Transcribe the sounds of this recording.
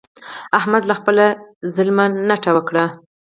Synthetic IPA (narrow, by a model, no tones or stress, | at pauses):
ahmad̪laxpəlazəlmanaʈawəkɽa